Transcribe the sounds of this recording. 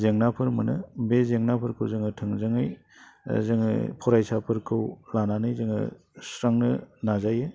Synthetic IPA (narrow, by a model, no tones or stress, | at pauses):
zeŋnapʰɯɾmɯnɯ̰bezeŋnapʰɯɾkʰɯwzɯŋɯtʰɯŋzɯŋɯj | zɯŋɯ̰pʰɔɾajsapʰɯɾkʰɯwlananɯjzɯŋɯ̰ | sɾaŋnɯnazajɯ